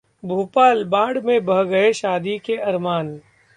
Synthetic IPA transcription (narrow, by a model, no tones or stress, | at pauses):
bʱuːpaːlbãːɽmẽbɐɦɡɐeʃaːd̪ikeɐɾmaːn